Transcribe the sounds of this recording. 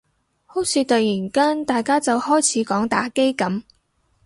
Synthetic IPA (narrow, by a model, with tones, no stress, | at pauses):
ho˨˥wsʰiː˨˧t̪ɐ˨jiː˨˩nkaː˥nt̪aː˨jkaː˥t͡sɐ˨whɔː˥jt͡sʰiː˨˥kɔː˨˥ŋt̪aː˨˥ke˥jkɐ˨˥m